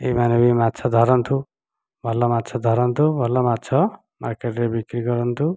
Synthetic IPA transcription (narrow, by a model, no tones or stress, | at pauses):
ejmanʌbimatːt͡sʰʌd̪ʱʌɾʌnt̪ʰu | bʱʌlːʌmat̪ːt͡sʰʌd̪ʱʌɾʌnt̪ʰubʱʌlːamatːt͡sʰʌ | markeʈlebikɾiɡʌɾʌnt̪ʰu